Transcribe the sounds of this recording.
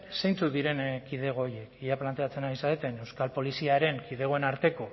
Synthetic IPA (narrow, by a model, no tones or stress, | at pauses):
sejnt͡suðiɾe̞nkið̞e̞ɣ̞o̞ːje̞kiʎaplant̪e̞at͡se̞naisaðet̪e̞ne̞wskalpo̞lisiaɾe̞ŋkið̞e̞ɣ̞o̞e̞naɾt̪e̞ko̞